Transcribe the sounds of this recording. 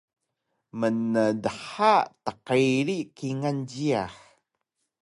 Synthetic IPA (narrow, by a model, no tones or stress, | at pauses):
mənədəħatəqəjɾikiŋanɟiaħ